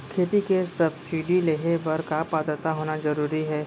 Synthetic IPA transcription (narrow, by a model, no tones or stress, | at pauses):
kʰeːt̪ikesɐbsiɖileːɦebɐɾkapaːt̪ɾət̪aɦoːnazɐɾuːɾiɦɛː